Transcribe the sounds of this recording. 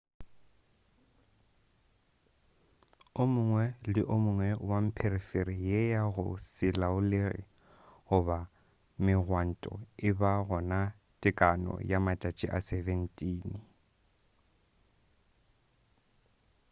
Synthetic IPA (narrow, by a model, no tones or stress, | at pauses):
ʊmʊŋwɛlɪʔʊmʊŋwɛwam̩pʰeriferijejaɣʊ̰sɪlaʊlɪrɪ̰ | ɣʊba | mɪɣwan̩tʼɔ̰ɪbaɣɔna | tʼɪkʼanɔ̰jamatʼat͡ʃʼɪʔasɛvɛn̩tʼiːn